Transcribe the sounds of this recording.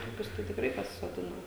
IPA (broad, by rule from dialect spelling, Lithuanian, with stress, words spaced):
ˈtoːkʲʊs tɐɪ tʲɪkˈrɐɪ pɐsʲɪsoːˈdʲɪnɐ